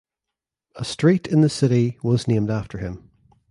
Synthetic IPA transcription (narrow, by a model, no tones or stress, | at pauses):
əstɹ̥iɾɪ̃nðəsɪɾiwɒznẽmdaftʰə˞ɪ̃m